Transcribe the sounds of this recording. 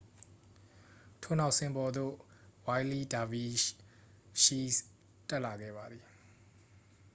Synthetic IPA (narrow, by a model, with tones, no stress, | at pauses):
tʰo˦˨na˦ʊʔsɪ̃˨mbɔ˨d̪o̰˦˨wa˦ɪli˦da˨vi˦ | ʃi˦s | tɛ˦ʔla˨ɡɛ̰˦˨ba˨d̪i˨